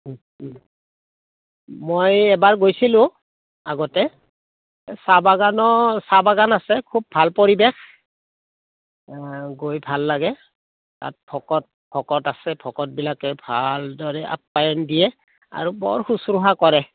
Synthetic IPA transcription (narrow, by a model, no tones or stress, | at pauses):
mojɛbaɹɡojsilʊ̃ | aɡɔtɛ | sabaɡanɔsabaɡanasɛkʰub̚ʱalpɔɹibɛx | ɡojbʱalːaɡɛ | ta̰t̚pʰɔkɔt̚pʰɔkɔtasɛpʰɔkɔt̚bilakɛbʱaldɔɹɛʔa̰p̚ːajɔndijɛ | a̰ɹubɔ̰ɹxusɹuɦakɔɹɛ